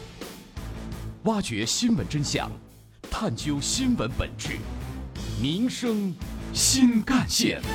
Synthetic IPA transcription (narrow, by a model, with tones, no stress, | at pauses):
wa˥t͡ɕɥɛ˧˥ɕi˥nwə˧˥nʈ͡ʂə˥nɕjɑ̰˨˩ŋ | t̪ʰa˥˩nt͡ɕjo˥ʊɕi˥nwə˧˥npə̰˨˩nʈ͡ʂɻ̩˥˩ | mi˧˥ŋʂɤ˥ŋɕi˥nka˥˧nɕjɛ̰˥˩n